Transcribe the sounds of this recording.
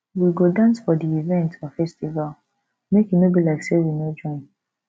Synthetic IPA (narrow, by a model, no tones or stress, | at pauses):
wiɡodãnsfɔdiivɛ̃ntʰɔfɛstival | mekinobilaɪksewinod͡ʒɔ̃ɪ̃n